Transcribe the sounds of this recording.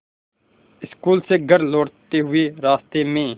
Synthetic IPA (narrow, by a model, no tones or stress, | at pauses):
ɪskuːlseːɡʱəɾloːɽt̪eɦʊeɾaːst̪eːmẽː